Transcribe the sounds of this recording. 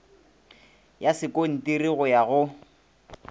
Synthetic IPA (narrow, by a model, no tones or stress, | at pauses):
jasɪkon̩tiriɣʊjaɣʊ